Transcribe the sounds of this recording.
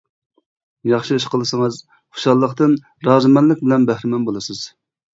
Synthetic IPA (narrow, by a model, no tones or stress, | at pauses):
jɑχʃiʃqəlˠɨsɨŋəz | χʊ̥ʃɑlˠːəqt̪ɨn | ɾɑːzɨmɛnlɪk̚ʲbɪlɛnbæhɾɪmɛnbolˠɨsɨz̥